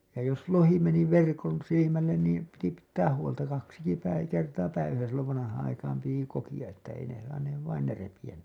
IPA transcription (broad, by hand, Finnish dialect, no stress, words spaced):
jɑ jos lohi meni ʋerkon silimælːen niːm piti pitːæːh huoltɑ kɑksiki pæi kertɑː pæiʋæsæ silːoʋ ʋɑnɑhɑːɑ̃ ɑikɑːm piti kokij̆ɑ etːæ ei ne sɑːneːʋ ʋɑin ne repij̆æn